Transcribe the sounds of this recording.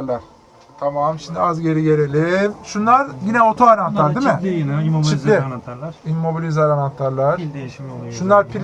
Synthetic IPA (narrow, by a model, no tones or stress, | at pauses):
ɾlˠaɾ̥ | t̪ʰamamʃimd̪iazɟe̞ɾiɟe̞ɾelʲimʃunlˠaɾɟinɛo̞t̪ʰoaɾant̪lˠaɾd̪imɪt͡ʃit̪lʲiimːo̞bilʲizaɾanant̪ʰlˠaɾlˠaɾ | ʃunlˠaɾpʰi